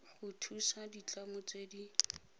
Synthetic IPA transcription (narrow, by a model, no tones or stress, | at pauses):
χʊtʰusadit͡ɬamʊt͡sʼwedi